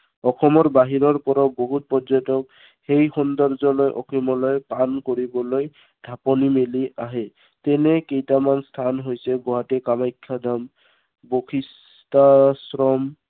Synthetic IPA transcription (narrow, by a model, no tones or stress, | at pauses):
ɔxʰɔmɔɹbaɦiɹɔɹpɔɾɔboɦut̚pɔzɔtɔk | xejxɔnd̪ɔɹzɔlojʔɔ̰kʰimɔlɔjpankoɹibɔloj | dʱapɔnimeliaɦɛ | tɛnɛkejtamanstʰanɦojsɛɡɔɦatɛkamajkʰːad̪ʱam | boxʰis | tasɹɔm